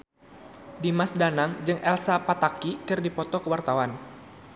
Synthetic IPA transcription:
dimasdanaŋd͡ʒɨŋʔɛlsapat̪akikɨrdipɔt̪ɔkəwart̪awan

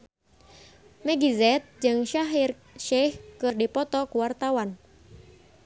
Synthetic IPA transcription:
mɛɡizɛt̪̚d͡ʒɨŋʃaɦir | ʃɛhkɨrdipɔt̪ɔkuwart̪awan

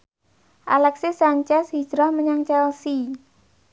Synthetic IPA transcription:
ʔalɛksisaɲt͡ʃɛsɦid͡ʒɾahməɲaŋt͡ʃɛlsi

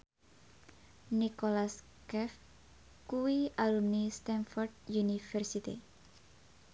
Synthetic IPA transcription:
nikolas | kɛf | kuwialumnist̪ɛnfɔrd̪̚junifɛrsit̪ḭ

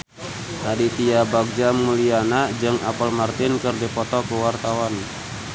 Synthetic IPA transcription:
hadit̪iabaɡ̚d͡ʒamulianad͡ʒɨŋa̰pəlmart̪ɪnkərdipɔt̪ɔkəwart̪awan

